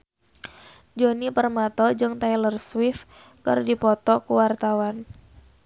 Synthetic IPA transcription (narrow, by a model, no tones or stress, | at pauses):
d͡ʒonipərmat̪ɔd͡ʒɨŋt̪ajlərswɪf | kə̰rdipɔt̪ɔkuwart̪awan